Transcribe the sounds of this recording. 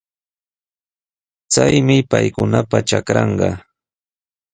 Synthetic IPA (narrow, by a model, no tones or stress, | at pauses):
t͡sajmɪpajkʊnapaʈ͡ʂakɾɑɴɢɑ